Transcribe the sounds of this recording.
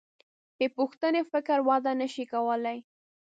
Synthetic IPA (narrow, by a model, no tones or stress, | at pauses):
epuxt̪ənefɪkɾwɑd̪anəʃikawəlaj